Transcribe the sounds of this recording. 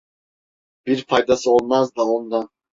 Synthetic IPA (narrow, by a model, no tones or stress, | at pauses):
b̥iɾpʰɑjd̪ɑsɯolˠmɑzd̪aond̪ɑ